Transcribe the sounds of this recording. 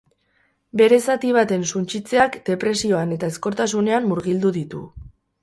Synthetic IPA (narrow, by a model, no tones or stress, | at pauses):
be̞ɾe̞sat̪iβ̞at̪e̞nsunt͡ʃit͡se̞akd̪̥e̞pɾe̞sio̞ane̞t̪aesko̞ɾt̪as̬une̞amːuɾɣild̪uðit̪ṵ